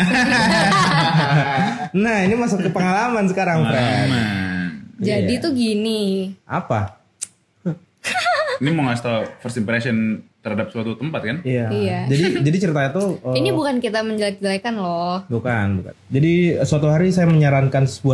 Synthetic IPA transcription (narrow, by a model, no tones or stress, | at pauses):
nahinimasʊkːəpəŋalamansəkaɾaŋpɾamand͡ʒadit̪uɡiniapa | inimɔŋast̪afərsimpɾesənt̪ərhadap̚səuat̪ut̪əmpat̪̚kanijaijad͡ʒadid͡ʒadit͡ʃəɾit̪aɲat̪uəinibukankit̪aməɲd͡ʒəlajk̚d͡ʒəlajkanlɔhbukanbuka̰nd͡ʒadisuat̪uɦaɾisajaməɲaɾankansə̥bua